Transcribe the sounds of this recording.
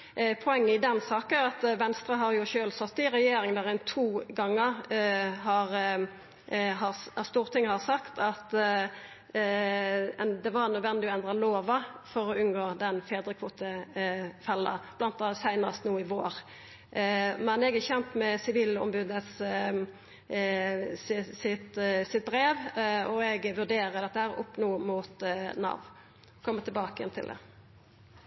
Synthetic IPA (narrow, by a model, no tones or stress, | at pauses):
pʰɔɛŋːəɪd̪ɛnsɑːkənʁɑt̪ʋɛnst̪ɾɑɦɑɾjʊʃøːlsɔt̪ːɪɾɛjeːɾɪŋd̪æʁæɪnt̪ʰuːɡɑŋːəɾɦɑʁ | ɦɑst̪uːʁt̪ʰɪŋːəhɑsɑkt̪ʰɑt̪ | d̪ɛʋɑɾnœd̪ʋɛnːd̪ɪɔɛnd̪ʁɑloːʋɑfɔɾɔʉnɡoːd̪ɛnfeːd̪ɾəkʰʋuːt̪ə | fɛlːɑ̰b̥lɑnt̪̚ɛsæɪnɑst̪nuːɪʋoːɾ | mɛnɛɡæçɛnt̪mɛsɪʋiːlɔ̰mbʉd̪əs | sɪsɪt̪sɪt̪̚bɾeːʋɔɛɡʋʉd̪eːɾəd̪ɛt̪ːəhæːʁʔʊpːnuːmuːt̪nɑ̰ʋn | ɔkʰɔmːət̪ʰɪlbɑːkəjɛ̰nt̪ʰɪ̰ld̪ɛ̰